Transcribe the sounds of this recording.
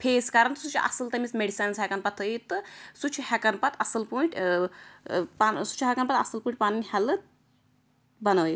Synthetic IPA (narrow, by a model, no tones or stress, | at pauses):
pʰeːskɐɾɐnt̪sut͡ʃʰuʔɐ̰sɨlt̪ɐmismeɖisaːnshɛkɐnpɐt̪ʰːɨit̪ɨsut͡ʃʰuhɛkɐnpɐt̪ʰɐsɨlpoːĩɳʈʲ | pansu̥t͡ʃʰuɦɐkɐnpɐt̪ɐ̰sɨlpuːɳʈ̚ʲpaːninʲhɐlɨt̪̚ | bɐnɐːjit̪